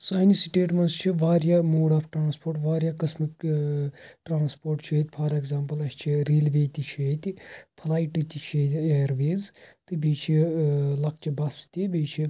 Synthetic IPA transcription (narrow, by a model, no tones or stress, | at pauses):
saːjnisiʈeːʈmɐnzt͡ʃʰiʋaːɾjamoːɽaːpʰʈɾaːnspʰoːɾʈʋaːɾʲjakɐsmik | ʈɾaːnspoːɾʈt͡ʃʰiet̪ʲpʰɐːɾeɡzaːmpɐlɐst͡ʃʰiɾiːlʋeːt̪it͡ʃʰiet̪ipʰɐlaːjʈit̪it͡ʃʰit̪ieːɾʋeːzt̪ɨbit͡ʃʰilɐk̚t͡ʃʰibɐst̪ibiːt͡ʃʰi